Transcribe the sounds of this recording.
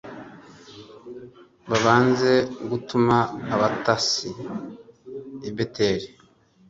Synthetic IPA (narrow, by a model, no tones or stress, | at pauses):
βaβaːnze̞ɡutumaːβatasi | ibetʰe̞ːɾi